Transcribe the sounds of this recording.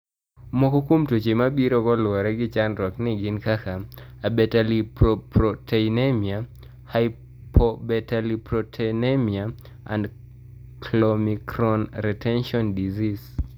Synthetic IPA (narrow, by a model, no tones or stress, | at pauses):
mɔkɔkomtot͡ʃemabiɾokɔlwɔɾɛɡɪt͡ʃanɾɔknɪɡɪnkakaabɛtalipɔpɾɔtʰenemia | haɪ | pɔbɛtalipɾɔtʰenemia | a̰nd | klɔmikɾɔnɾɛtʰɛnʃɔndizis